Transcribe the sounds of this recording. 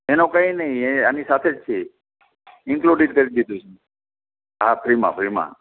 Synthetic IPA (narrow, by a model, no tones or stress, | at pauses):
enokə̃ĩnəĩeanisat̪ʰed͡ʒt͡ʃʰe | ɪŋkluɖiʈ̚kəɾid̪id̪ũt͡ʃʰu | ɦapʰɾimã̰pʰɾimã̰